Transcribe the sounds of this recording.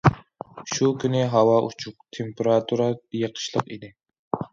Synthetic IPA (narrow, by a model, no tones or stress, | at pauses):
ʃukʲynɪɦɑwɑʔut͡ʃʰuq̚t̪ʰempʰeɾɑt̪ʰuɾɑjeqʰə̥ʃlˠəqid̪ɪ